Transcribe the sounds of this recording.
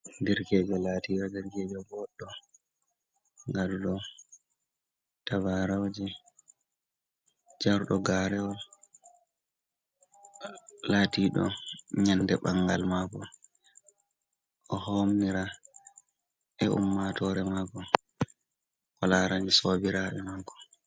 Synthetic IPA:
diɾkɛd͡ʒɛlaːtiɾadiɾkɛd͡ʒɛɡɔɗːɔ | ŋɡaduɗɔ | tabaɾawd͡ʒɛ | d͡ʒaɾɗɔɡaɾɛwɔl | latiːɗɔ̰ɲandɛɓaŋɡa̰lmakɔ | ʔɔhomniɾa | ɛʔṵmːatɔɾɛmakɔ | kɔlaɾaɲisoːbiɾaʔɛmakɔ̥

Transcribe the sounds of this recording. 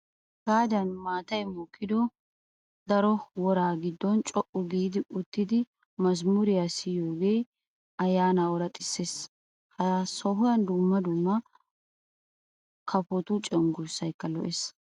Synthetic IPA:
ɡ̥aːd̪ɐnmaːt̪ɐjmʊkʰːɪd̪ɔ | d̪ɐɾɔwɔɾaːɡɪd̪ːɔnt͡ʃʼɔʔʊɡiːd̪ɪʔʊt̪ːɪd̪ɪ | mɐzmʊɾɪjasɪjoːɡe̞ː | ɐjːaːnawɔɾɐt̪ʼɪ̥sːeːs | hɐsɔɦʊjɐnd̪ʊmːɐd̪ʊmːɐ | kʰɐpɔt̪ʊt͡ʃʼɛŋɡʊɾsːɐjkːɐlɔ̰ʔes

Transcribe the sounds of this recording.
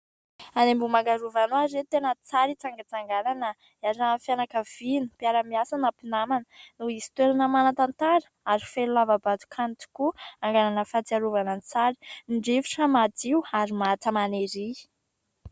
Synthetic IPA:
anembumaŋɡaɾuvanuazet̪enət͡saɾit͡saŋɡat͡saŋɡananə | iazamfjanakəv̥inupiaɾəmiasanapinamanənuisi̥t̪weɾanəmanat̪ant̪aɾə̥ | aɾifelulavabat̪u̥kʰant̪u̥kuaŋɡananəfat͡siaɾuvanənt͡saɾi̥nɳɖ͡ʐiviʈ͡ʂəmat̪iuaɾimat̪əmaneɾi

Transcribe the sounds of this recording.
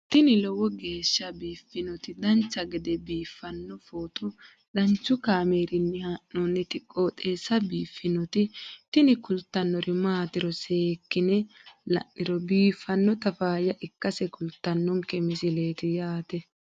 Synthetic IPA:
t̪ɪnɪlɔwɔɡe̞ːʃːɐbiːfːɪnɔt̪ɪd̪ɐnt͡ʃːɐɡɛd̪ɛbiːfːɐnːɔfoːt̪ɔ | ɗɐnt͡ʃːʊkaːmeːɾɪnːɪhaʔːonːɪt̪ɪkʼːot̪ʼe̞ːsɐbiːfːɪnɔt̪ɪt̪ɪnɪkʊlt̪ːɐnːɔɾɪmaːt̪ɪɾɔseːkːɪnɛlɐ̰nːɪɾɔbiːfːɐnːɔt̪ɐfaːjɐʔɪkːɐsɛkʊlt̪ːɐnːɔŋkːɛmɪsɪle̞ːt̪ɪjaːt̪ɛ

